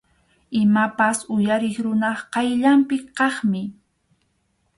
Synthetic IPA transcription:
ɪmapasʊjaɾɪχɾʊnɑχqɑjʎampɪqɑχmɪ

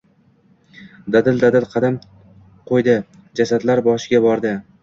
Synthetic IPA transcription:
d̪ad̪ɪld̪ad̪ɪlqʰɑd̪am | qʰojd̪ɪ | d͡ʒasad̪laɾbɒʃɪɡʲabɒɾd̪ɪ

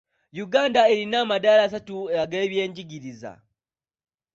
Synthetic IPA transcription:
juɡaːndae̞ɾinaːmadaːlaːs̬atueaɡe̞ːβje̞ːɲɟiɡiɾiza̰

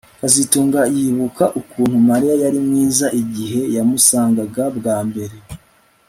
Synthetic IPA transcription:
kazituːŋɡajiːβukaʔukuːn̥humaɾijajaɾimŋiːzaʔiɟiɦe̞jamusaːŋɡaɡabɡaːmbe̞ɾe̞

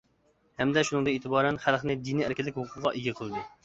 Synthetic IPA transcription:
hɛmd̪ɛʃunɨŋd̪ɨeːt̪ʰɨbɑːɾɛnχælˠχnɪd̪iniæɾkʲilːɪkʲhʊqʰʊʁɑʔeɡʲɛqʰəlˠɨd̪u

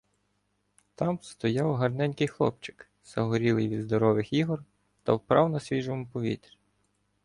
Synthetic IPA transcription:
t̪ɑmst̪ɔjɑwɦɐrnɛnʲkɪjxlˠɔ̰p̚t͡ʃɪ̥k | z̥ɐɦɔɾʲilˠɪjʋʲid̪zd̪ɔɾɔʋɪxiɦɔr | t̪ɐ̰wpɾɑwnɐsʲʋʲiʒomʊpɔʋʲḭt̪ɾʲ

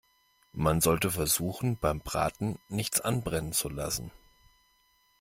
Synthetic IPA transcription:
manzɔltəfɛɐzuːxn̩b̥aɪmb̥ʁa̰ːtn̩nɪçt͡sʔanbʁɛnənt͡sula̰sn̩

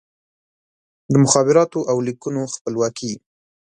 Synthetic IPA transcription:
d̪əmʊxɑbɪɾɑt̪oʔawlikunoxpəlwɑkʰi

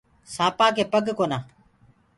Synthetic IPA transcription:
sãːpaːkeːpəɡkoːnãː

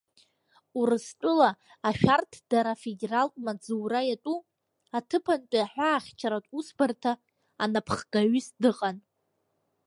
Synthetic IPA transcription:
urɨstʷʼʊlaː | ʃᶣartʰd̥aɾafe̞deraltʼmad͡zuːɾajatʷʼu | atʰɨpʰantʼaħʷᶣaːχʲt͡ʃʰaɾatʼusbartʰaː | napʰχɡaɥʏsdɨqʼan

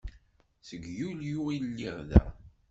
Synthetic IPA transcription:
səɡjuljuilːiʁðæ̰

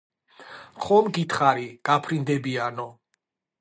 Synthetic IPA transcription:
χɔmɡit̪ʰχaɾiɡ̥apʰɾind̪ɛbianɔ

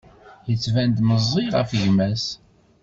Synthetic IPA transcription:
jət͡sːvænd̪məzˤːiʁæ̰fʝmæs

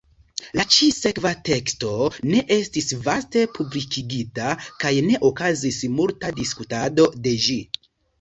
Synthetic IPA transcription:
lat͡ʃise̞kvate̞ksto̞ne̞ʔe̞stisvaste̞publikiɡitakajne̞ʔo̞kazismultadiskutado̞de̞d͡ʒi

